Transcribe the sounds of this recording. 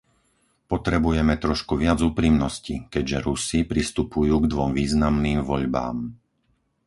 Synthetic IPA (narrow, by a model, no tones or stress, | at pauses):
pɔt̪ɾɛbujɛmɛt̪ɾɔʃkuʋɪad͡zuːpɾimnɔscikɛɟʒɛɾusipɾist̪upujuːɡd̪ʋɔmʋiːznamniːmʋɔʎba̰ːm